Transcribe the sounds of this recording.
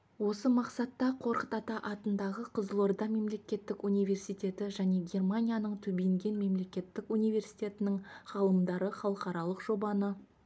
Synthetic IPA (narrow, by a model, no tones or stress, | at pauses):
wo̞səmɑqsɑt̪ːɑqʰo̞ɾqət̪ɑt̪ɑʔɑt̪ənd̪ɑʁəqʰəzlˠord̪ɑme̞mle̞kʲe̞t̪ːɪkunijvʲe̞rsijt̪ʲe̞t̪ɪʒæne̞ɡʲe̞rmanʲijanəɴt̪ʰɵbeŋɡʲe̞nme̞mle̞kʲe̞t̪ːɪkunijve̞rsijt̪ʲe̞t̪ɪnɪɴχɑlˠəmd̪ɑɾəχɑlˠəqɑɾɑlˠəqʒ̥o̞bɑnə